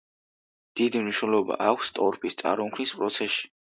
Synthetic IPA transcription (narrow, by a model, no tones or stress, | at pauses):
d̪̥id̪imniʃnɛlˠɔba̰ʔakʷʰst̪ʼɔɾpʰist̪sʼa̰ɾɔmkʰnispʼɾɔt̪sʰɛʃi̥